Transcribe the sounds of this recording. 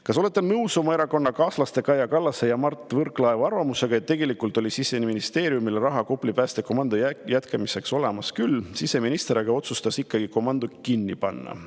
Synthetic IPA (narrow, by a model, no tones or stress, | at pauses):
kɑso̞le̞t̪ːˑenɤwso̞mɑe̞ɾɑko̞nːɑkɑːslɑst̪e̞kɑjɑkɑlːɑsːe̞jɑmɑrt̪ːˑvɤrkˑlɑevɑrvɑmuse̞ɡ̥ɑet̪ːe̞ɡe̞likːˑult̪ˑo̞lʲisisːeniminist̪e̞ːɾjumilerɑɦɑkopˑlipæːst̪e̞ko̞mɑnd̪̥ojæt̪kʰɑmise̞kso̞le̞mɑskylːsise̞minist̪eɾeɡ̥ɑo̞t̪sust̪ɑsikˑːɑɡ̥iko̞mɑnd̪̥ukinːipɑnːɑ̰